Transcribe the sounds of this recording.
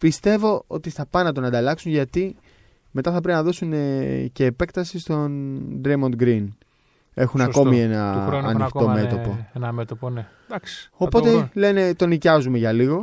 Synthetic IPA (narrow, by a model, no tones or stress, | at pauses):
pist̪e̞vo̞o̞̰t̪ist̪ɐpɐnɐt̪̬onɐnd̪ɐlɐksunʝɐt̪i | me̞t̪ɐθɐp̬ɾe̞pinɐðo̞sunece̞ːpe̞kt̪ɐsist̪o̞nd̪ɾejmo̞nd̪ɡɾin | e̞xunɐko̞mie̞nɐːnik̪o̞me̞t̪o̞po̞et̪op | opo̞t̪e̞le̞ne̞t̪o̞nicɐzume̞ʝɐliɣo̞